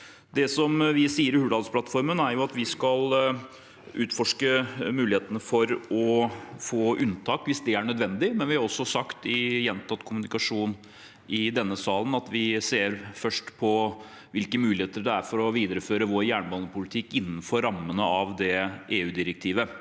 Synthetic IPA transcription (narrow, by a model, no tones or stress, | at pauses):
d̪ɛsɔmʋɪsiːəɾɪhʉːlɑːlspʰlɑt̪fɔɾmənæɾjʊɑt̪ʋɪskɑl | ʉːt̪fɔʂkəmʉːlɪheːt̪ənəfɔɾɔfoːʔʉnt̪ʰɑːkʋɪsd̪ɛæɾɳœd̪ʋɛnd̪ɪmɛnʋɪhɑɾɔsːɔsɑkt̪ɪjɛnt̪ʰɑt̪ːkʰʊmʉnɪkɑʂuːn | ɪd̪ɛnːəsɑːlənɑt̪ʋɪseːɾfœʂʈpʰɔ | ʋɪlkəmʉːlɪheːt̪əɾɖɛæɾfɔɾɔʋiːd̪əɾəføːɾəʋoːɾjæːɳbɑːnəpʊlɪt̪ʰɪkːɪnːn̩fɔɾːɑmːənəɑʋd̪ɛʔeːʉːd̪ɪɾɛk̚t̪ʰiːʋə